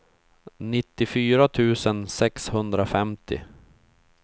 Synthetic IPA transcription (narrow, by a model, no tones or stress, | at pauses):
nɪt̪ːɪfyːɾat̪ʰʉ̟ːsənsɛkshɵnd̪ɾafɛmt̪ʰɪ̰